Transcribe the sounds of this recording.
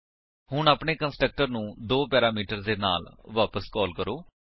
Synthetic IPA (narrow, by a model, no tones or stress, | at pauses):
hʊɳaːpɳeːkənsʈək̚ʈəɾnũːd̪oːpɛːɾaːmiːʈəɾd̪eːna̰ːlʋaːpəskɔːlkəɾoː